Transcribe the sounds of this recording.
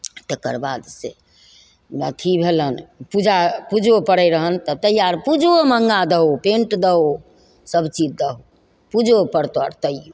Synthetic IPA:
t̪ekə̰ɾbad̪se | nət̪ʰibʱelənpud͡ʒapud͡ʒopəɽəjɾəɦənt̪ət̪əɦijaɾpud͡ʒoməŋɡad̪əɦopẽɳʈd̪əɦo | səbt͡ʃid͡ʒd̪əɦo | pud͡ʒopəɾt̪oa̰ɾt̪əio

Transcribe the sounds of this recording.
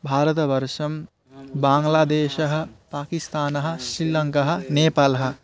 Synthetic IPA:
bʱaːɾɐt̪ɐʋɐɾʃɐm | baːŋɡlaːd̪eːʃɐɦɐ̆paːkist̪aːnɐɦɐ̆sɾilɐŋkɐɦɐ̆neːpaːlɐɦɐ̆

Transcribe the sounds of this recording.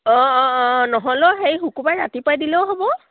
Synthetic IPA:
ɔ̃nɔɦɔlɔxejxukubajɹa̰tipajdilɛwɦobɔ

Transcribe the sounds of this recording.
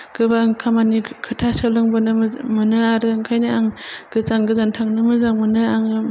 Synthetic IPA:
ɡɯbaŋkʰamanikʰɯtʰasalɯŋbɔnɯmmɯnɯaɾɯŋkʰajnɯaŋɡ̥ɯzaŋɡɯzantʰaŋnɯmɯzaŋmɯnɯaŋɯ

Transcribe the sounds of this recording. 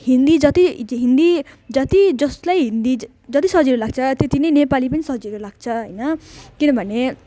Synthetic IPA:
ɦind̪id͡zʌt̪iɦind̪id͡zʌt̪id͡zʌslajɦind̪i | d͡zʌt̪isʌɦd͡ziɾulaɡ̚t͡sʰʌt̪jet̪inʌjnepalipʌnisʌɦd͡ziɾulaɡ̚t͡sʰʌɦʌjnʌkinʌbʱʌne

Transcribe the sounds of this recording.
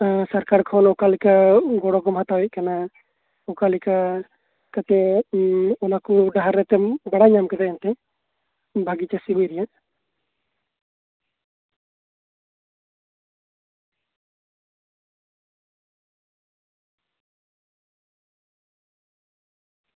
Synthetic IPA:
saɾkaɾkʰɔnɔkalikaɡɔɽɔɡɔmɦat̪awɛc̚kana | ɔkalika | kat̪ɛ | ɔnakuɖaɦaɾːɛt̪ɛbaɽaɲamkɛt̪aʔant̪ɛ | bʱaɡit͡ʃasibujɾɛjaʔ

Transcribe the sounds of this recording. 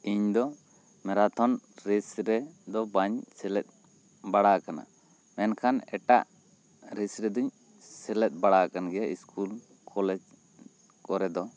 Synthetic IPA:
iɲd̪ɔ | mɛɾat̪ʰɔnɾɛsɾɛd̪ɔbaɲsɛlɛt̪̚ˀ | baɽakana̰ | mɛnkʰanɛʈaʔ | ɾisɾɛd̪uɲ | sɛlɛt̪̚ˀbaɽakanɡɛjaiskʰul | kʰɔlɛd͡ʒ | kɔɾɛd̪ɔ

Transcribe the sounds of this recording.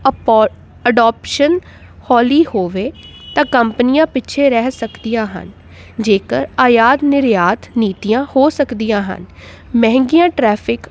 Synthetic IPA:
əɖaːpʃən | hɔːliːhoːʋeː | t̪ãːkəmpənɪjãːpɪtːʃʰeːɾɛɦsəkd̪ijãːɦə̰n | d͡ʒeːkəɾaːjaːd̪nɪɾjaːt̪niːt̪ijãːhoːsəkd̪ijãːɦə̰n | mɛ̃ɦŋɡɪjãːʈɾɛːpʰɪk

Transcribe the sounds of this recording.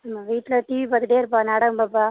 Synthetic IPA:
ɐmaʋiːʈːlɐʈiːʋipat̪ɯʈeːɾpaːnɐɽɐmbapːa

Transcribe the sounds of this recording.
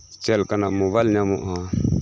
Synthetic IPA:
t͡ʃɛlkanamoβalɲamɔ̰ʔa

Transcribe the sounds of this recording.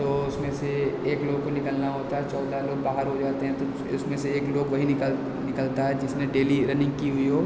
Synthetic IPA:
t̪oːʊsmẽseeːkloːɡ̚konɪkəlnaɦoːt̪aɦɛt͡ʃɔːd̪ʱaloːɡ̚baːɦəɾɦod͡ʒaːt̪eɦɛ̃t̪o | ʊsmẽseeːkloːɡʋɐɦiə | nɪkəlt̪aɦɛd͡ʒɪsneɖeːliɾɐnɪ̃ŋɡkiɦʊiɦoː

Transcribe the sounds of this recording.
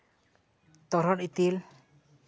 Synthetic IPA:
t̪ɔɾɔɾit̪il

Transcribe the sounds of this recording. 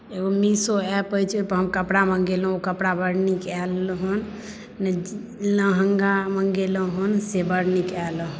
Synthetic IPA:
eɡomisoɛpəjt͡ʃʰp̪əɦəmkəpɽaməŋɡelɦokəpɽabəɽnikɛlɦun | n | lə̃ɦəŋɡaməŋɡeləɦunsebəɾnikɛlɦ

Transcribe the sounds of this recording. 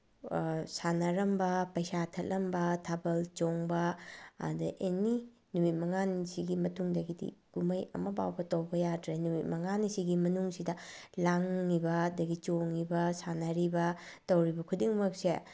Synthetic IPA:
sanɐɾɐmbɐpɐjsatʰɐtlʔɐmbɐtʰabɐlt͡ʃoŋbɐ̰ː | dɐʔeni | numit̚mɐŋansiɡimɐtuŋdɐɡidḭɡ̥umɐjɐ̰mɐba̰wbɐtɐwbɐjadɾenumit̚mɐŋanisiɡimɐnuŋsidɐlaŋːibɐdɐɡit͡ʃoŋːibɐsanɐɾibɐ | tɐwɾibɐkʰudiŋmɐk̚se

